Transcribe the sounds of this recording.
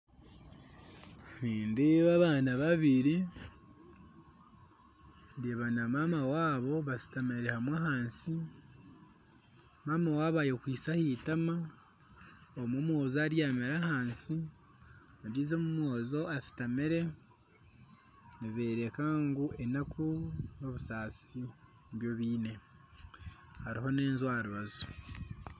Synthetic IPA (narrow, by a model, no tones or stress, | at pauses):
βiːndiβaβaːnaβaβiɾi | ndeβanamamawaːβo̞βasi̥tameɾehamwahaːnsi | maːmawaːβajokwiːsahitama | omomwo̞ːzaɾjaːmeɾahaːnsi | adizomumwoːzo̞asi̥tameɾe̞ | niβe̞ːɾekaŋɡuʔe̞nakuno̞βusaːsi | βjo̞βiːne̞ | haɾiɦo̞neːnzwaːɾuβazu